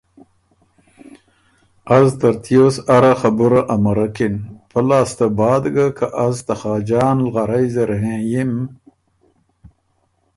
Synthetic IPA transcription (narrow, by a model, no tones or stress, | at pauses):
azt̪aɾt̪josaɾaxabuɾaʔamaɾakinpalɑːst̪abɑːd̪ɡakʰaʔazt̪aχɑːd͡ʒɑːnlɣaɾajzeɾɦẽjim